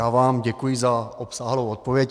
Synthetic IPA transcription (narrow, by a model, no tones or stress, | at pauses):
aːvaːmɟɛkujɪzaʔopsaːɦlowt̪̚povjɛc